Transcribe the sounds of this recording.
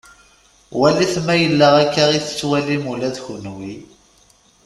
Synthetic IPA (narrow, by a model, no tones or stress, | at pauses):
wæliθmæjəlːaʁækːaʁiθə̥t͡sːwælimulæðçunwi